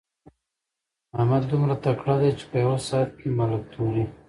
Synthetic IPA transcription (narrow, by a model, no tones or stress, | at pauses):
amad̪d̪ʊmɾat̪akɽad̪ajt͡ʃe̥pəjawasɑːt̪̚kemalak̚t̪ʰoɾi